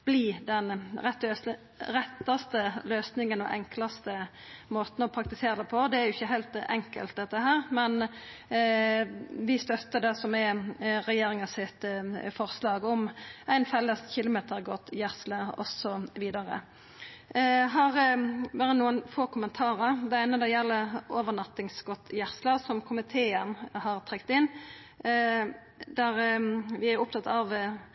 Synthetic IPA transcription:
b̥liːd̪ɛnɾɛt̪ø | ɾɛt̪ːɑst̪əløːsnɪŋənɔ̰ʔɛŋklɑst̪ə | moːt̪nɔpʰɾɑk̚t̪ɪseːɾəd̪ɛpʰɔd̪ɛæɾjʊɪçːəɦæɪlt̪ɛ̰ŋkə̰lt̪̚d̪ɛt̪ːəɦæːʁmɛn | ʋɪst̪œt̪ːəd̪ɛsɔmɛɾɛjeːɾɪŋɑsɪt̪fɔʁslɑːɡɔmæɪnfɛlːəsçɪlʊmeːt̪ʰəɾɡɔt̪jæʁsləɔ̰sɔʋiːd̪ɑʁə̰ | ɦɑʁʋæːɾənuːənfoːkʰʊmənt̪ʰɑːʁəɾd̪ɛæɪnəd̪ɛjɛlːəoːʋənɑt̪ːɪŋsɡ̥ɔt̪jæɾslɑsɔmkʰʊmɪt̪ʰeːənhɑʁt̪ʰʁɛkt̪ɪnː | d̪æɾʋɪæɾʊp̚t̪ʰɑt̪ːɑʋ

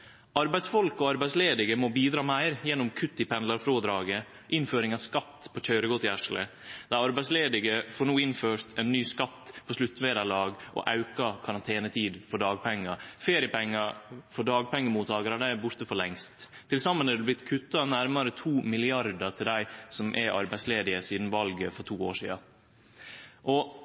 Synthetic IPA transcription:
ɑɾbæɪd̪sfɔlkɔɑɾbæɪsleːd̪ɪɡəmɔbiːd̪ɾɑːmæɪɾjɛnːʊmkʰʉt̪ːɪpʰɛnlɑɾfɾoːd̪ɾɑːɡə | ʔɪnføːɾɪŋɑskɑt̪ːpʰɔc͡çœʏɾəɡɔt̪ːɪæʂlə | d̪̥ɑːɑɾbæɪsleːd̪ɪɡəfoːɳuːɪnføːɾt̪ʰɛnːyːskɑt̪ːpʰɔslʉt̪ːʋeːd̪ɑlɑːɡʔɔ̰ʔɑʉkɑkʰɑɾɑnt̪ʰeːnət̪ʰiːd̪fɔɖɑːɡ̚pʰɛŋːɑfeːɾɪəpɛŋːɑfɔɖɑːɡ̚pʰɛŋːəmuːt̪ʰɑːɡəɾæd̪æɪbʊɾt̪əfɔɾɭɛŋst̪ʰː | ɪlsɑmːənɛɾd̪ʉblɪt̪ːkʰʉt̪ːɑnæɾmɑɾət̪ʰuːmɪlɪɑɾd̪əʈ̪ʰɪld̪æɪsɔmʔɛɾʔɑ̰ɾbæɪsleːd̪ɪəsiːd̪n̩ʋɑlɡəfɔʈ̪ʰuːo̰ːʂḭːɑ̰ | ʔɔ

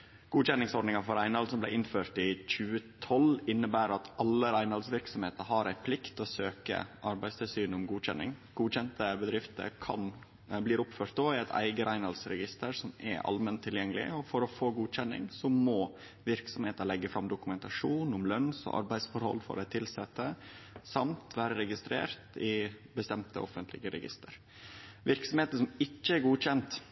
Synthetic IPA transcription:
ɡ̥uːɕɛnːɪŋsɔɖnɪŋɑfɔɾæɪnhɑlsɔmblæɪɪnføːɾʈ̪ɪc͡çʉːət̪ʰɔlɪnːəbæːɾɑt̪ʔɑlːəɾæɪnɑlsʋɪɾksɔmheːt̪əɾɦɑɾæɪpʰlɪkt̪ɔsøːkə̰ʔɑɾbæɪst̪ʰɪlsyːnʊmɡuːɕɛ̰nːɪ̰ŋɡ̥uːçɛnt̪əbəd̪ɾɪft̪ə̰ɾkʰɑ̰n | bliːɾʊpføːɾʈ̪̚d̪oːɪæɪt̪ʰæ̰ɪɡəɾæɪnɑlsɾɛɡɪst̪əɾsɔmɛ̰ʔɑ̰lmɛnt̪ʰːɪljɛŋːəlɪ̰ɔfɔɾɔfoːɡuːc͡çɛnːɪ̰ŋsɔmɔ | ʋɪɾksɔmheːt̪əɭɛɡːəfɾɑmd̪ʊkʉmɛnt̪ɑʂuːnʊmlœnsɔ̰ʔɑ̰ɾbæɪsfɔɾhɔ̰lːfɔ̰ɾɛt̪ʰɪlsɛt̪ːəsɑmt̪ʰʋæːɾəɾɛɡɪst̪ɾḛːɾt̪ɪbəst̪ɛmt̪ʰə̰ʔɔfənt̪ʰlɪ̰ɡəɾɛ̰ɡɪ̰st̪əɾ | ʋɪɾksɔmeːt̪əʂɔmɪkːəɛɾɡuːɕɛnt̪

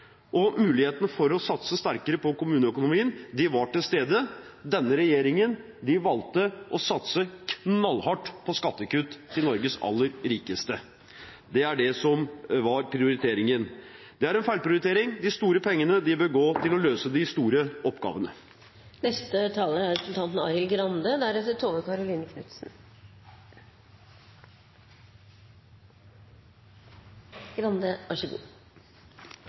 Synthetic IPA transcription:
ʔɔmʉːlɪheːt̪ənəfɔɾɔsɑt̪səst̪æɾkəɾəpɔkʊmʉːnəœkʊnʊmiːənd̪ɪʋɑʈɪlst̪eːd̪ə | d̪ɛnːəɾɛjeːɾɪŋən | d̪ɪʋɑlt̪ːəʔɔsɑt̪səkʰnɑlhɑʈːpʰɔskɑt̪ːəkʉt̪ʰːɪlnɔɾɡəsɑ̰lːəɾɾiːkəst̪ə | d̪ɛæɖɛsɔmʋɑɾpʰɾɪʊɾɪt̪ʰeːɾɪŋən | d̪ɛæɾɛnfæɪlpʰɾɪʊɾɪt̪ʰeːɾɪŋd̪ɪst̪uːɾəpʰɛŋːənəd̪ɪbøːɾɡoːt̪ɪlɔløːsəd̪ɪst̪uːɾəʔɔpːɡɑ̰ːʋənə | nɛst̪ət̪ʰɑːləæɾɛpɾəsl̩t̪ɑnt̪n̩ɑɪɪlɡɾɑnd̪əd̪æɾɛft̪ːət̪ʰoːʋəkɑɾʊliːnəkʰnʉt̪sn̩ | ɡ̥ɾɑnd̪əʔɑʂəɡṵː

